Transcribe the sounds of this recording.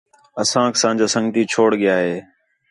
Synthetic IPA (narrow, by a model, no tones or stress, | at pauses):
əsãːksãːd͡ʒaːsə̃ŋɡt̪iːt͡ʃʰoːɽɠɪjaːɦeː